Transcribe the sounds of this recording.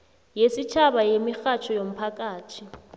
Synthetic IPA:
jesit͡ʃʰaβajemixat͡ʃʰɔjom̩pʰakʼaːtʰi

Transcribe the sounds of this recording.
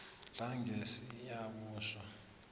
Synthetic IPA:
laŋɡesijaɓuːʃwa

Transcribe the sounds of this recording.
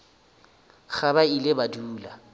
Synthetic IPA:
χabailɪbaduːla

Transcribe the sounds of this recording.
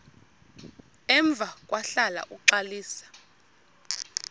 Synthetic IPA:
ɛɱb̪vʱak̬ʼwaɬala̰ʔuǃaliːsḁ

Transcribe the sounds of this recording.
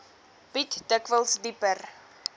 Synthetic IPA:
pitdəkvəlˠsdipər

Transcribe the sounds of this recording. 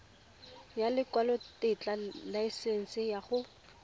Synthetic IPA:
jalɪkwalɔtɪt͡ɬʼalaisɛn̩sɪjaχʊ

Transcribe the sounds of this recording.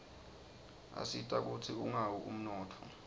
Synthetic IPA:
a̰sitʼak̬utʰiuŋawuʔum̩nɔːtʰɔ

